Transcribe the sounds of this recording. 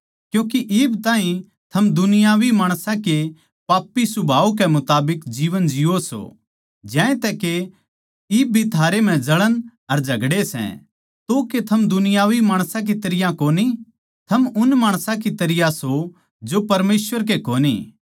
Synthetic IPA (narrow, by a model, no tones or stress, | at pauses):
kjũːk̬iʔɪːbt̪ãːɦĩ | t̪ʰɐmd̪ʊnɪjaːʋimaːɽ̃sãke | paːpːisʊbʱaːuk̬ɛmʊt̪aːbɪkd͡ʒiːʋənd͡ʒiːoso̰ | d͡ʒɛ̃ːẽt̪ɛke | ɪːb̚ʱit̪ʰaːɾem̤ɛ̃d͡ʒɐɭənɐɾd͡ʒʱɐɡɽesɛ̰̃ | t̪oket̪ʰɐmd̪ʊnɪjaːʋimaːɽ̃sãk̬it̪ɐɾɪjãkoːni | t̪ʰɐmʊnmaːɽ̃sãk̬it̪ɐɾɪjaso | d͡ʒopɐɾmeːsʋəɾk̬ekoːnḭː